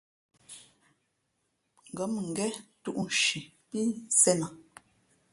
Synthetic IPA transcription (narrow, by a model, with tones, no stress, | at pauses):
ŋ˨ɡɔ˨˦mi˨ŋ̩˨ɡɛ˦tu˦ʔu˦˨n˨ʃi˨ | pi˦sɛ˦na˨